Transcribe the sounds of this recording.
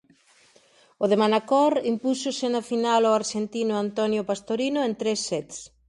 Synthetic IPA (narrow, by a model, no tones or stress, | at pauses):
ʊðemanakɔɾimpusʊsɪnafinaloaɾʃent̪inʊant̪ɔnjopast̪oɾinʊent̪ɾesːɛt̪s